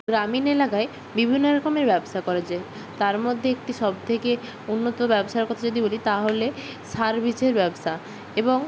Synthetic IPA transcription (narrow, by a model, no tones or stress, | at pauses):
ɡɾaminelakae | bibʱinːoɾɔkomeɾbɛboʃakɔɾad͡ʑae | t̪aɾmod̪ʱːeek̚ʈiʃɔb̚t̪ʰeke | unːot̪obɛboʃaɾkɔt̪ʰad͡ʑod̪ibolit̪aɦole | saɾbʱit͡ɕeɾbɛboʃa | eboŋ